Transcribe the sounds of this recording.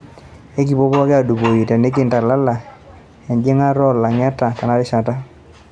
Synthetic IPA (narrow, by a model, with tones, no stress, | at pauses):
e˦ki˨bɔ˦bɔ˦kɪ˦a˨du˨bo˨ji˨tɛ˨ne˦k̬ɪ˦˨nta˨la˦la˨ | ɛ˨nd͡ʒɪ˦ŋa˦ɾɔ˦˨la˨ŋa˦ta˨ta˨na˦ɾɪ˦ʃa˨ta˦